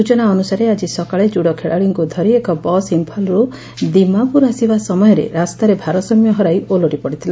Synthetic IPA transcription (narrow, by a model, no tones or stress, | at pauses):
ut͡ʃɔnaɔnusaɾead͡ʒisɔkaɭed͡ʒuɽɔkʰeɭaɭiŋkud̪ʱɔɾiekɔbɔsimpʰɔlɾu | d̪imapuɾasibasɔmɔjɔɾḛɾast̪aɾebʱaɾɔsɔmjɔɦɔɾajʔoloɽipɔɽit̪ʰila